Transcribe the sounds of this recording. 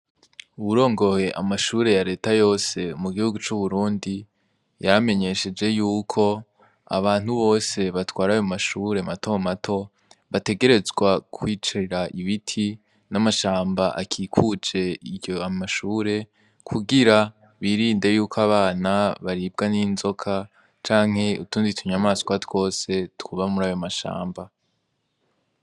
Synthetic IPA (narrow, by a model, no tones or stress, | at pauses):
uβuɾo̞ːŋɡo̞he̞ʔamaʃuːɾe̞jaɾe̞ːtajo̞ːse̞muɡihuɡut͡ʃuβuɾuːndi | jame̞ɲe̞ʃe̞d͡ʒe̞juːkʰo̞ | a̰βaːn̥huβo̞ːse̞βatwaːɾajomaʃuːɾe̞matʰomatʰo̞ | βate̞ɡe̞ɾe̞zɡwakʰwiːt͡ʃaɾeɾaʔiβitʰi | namaʃaːmbaʔa̰kʰiːkʰud͡ʒe̞iɟoamaʃuːɾe̞ | kʰuɡiɾa | βiːɾiːndejuːkʰoaβaːnaβaɾib̚ɡaniːnzo̞kʰa | t͡ʃaːŋ̥he̞utuːnzitʰuɲamaːskwatwo̞ːse̞tkuβamuɾajomaʃa̰ːmba